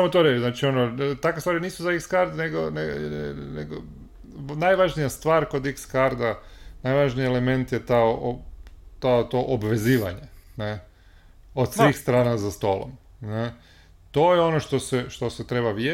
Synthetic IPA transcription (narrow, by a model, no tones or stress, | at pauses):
samot̪oɾet͡ʃznaːt͡ʃio̞not̪akʋest̪ʋaːɾiniːsuzaikskaɾd̪neɡoneneɡo | najʋaʒnijast̪ʋaːɾko̞d̪ikskaɾd̪anajʋaʒnijeleme̞nt̪jet̪aoʔot̪aot̪o̞ʔobʋe̞ziːʋa̰ɲene | o̞d̪sʋiːxst̪ɾaːnazast̪o̞ːlo̰m | ne | t̪o̞jeo̞noʃt̪o̞seʃt̪o̞set̪ɾe̞baʋje